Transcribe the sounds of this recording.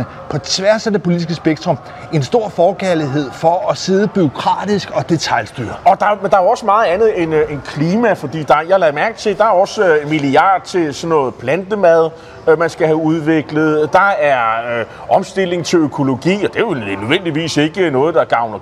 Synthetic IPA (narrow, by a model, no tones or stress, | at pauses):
ə | pʰɒ̽t͡sʰʋæɐsæd̥e̝pʰo̝lid̥isɡ̥əsb̥eɡ̥̚t͡sʰʁɔ̽m | e̝nsd̥o̝ɐ̰fɒːɡ̥æɐliɦe̝ð̞̰ˠfɒɒse̝ːð̞ˠəb̥yo̝kʰʁɑ̰̈ːd̥isɡ̥ɒ̽d̥et͡sʰɑ̈ɪlsd̥y̰ːɐɒ̽d̥ɑ̈mend̥ɑ̈æɒ̽səmɑ̈ːð̩ˠænð̩ˠenenkʰliːmæfɒ̽d̥ḭːd̥ɑ̈jlæðˠmæɐɡ̥t͡sʰe̝d̥ɑ̈æɐɒ̽smiliɑ̰̈ːd̥̚t͡sʰe̝lsɒ̽nːɔ̽ːð̩ˠpʰlænd̥əmæð̞ˠ | mænsɡ̥æhæuð̞ˠʋe̝ɡ̥ləð̞̩ˠd̥ɑ̈æɐ | ɒ̽msd̥e̝le̝ŋt͡sʰe̝løkʰo̝lo̝ɡ̥ḭːɒd̥e̝ʋenøðˠen̰d̥iʋḭːse̝ɡ̥ənɔ̽ːð̩ˠd̥ɑ̈ɡ̥ɑ̈ʊnɐ